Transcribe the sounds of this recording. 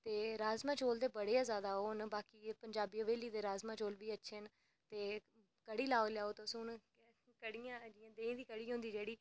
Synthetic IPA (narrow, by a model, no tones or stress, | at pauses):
t̪eːɾaːzmãːt͡ʃoːld̪eːbəɽeːãːzjaːd̪aːɦoːnbaːkiːpəɲd͡ʒaːbiːəʋeːliːd̪eːɾaːzmãːt͡ʃoːlʋiːətːʃʰeːn | t̪eː | kəɽiːlaːoːljaːoːt̪osũːn | kəɽijãːd͡ʒiãːd̪eːĩːd̪iːkəɽiːɦõːnd̪iːd͡ʒeːɽiː